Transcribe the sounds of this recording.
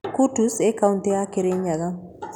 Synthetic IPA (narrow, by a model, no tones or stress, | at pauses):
kutusekaʊnteakeɾeɲaɡa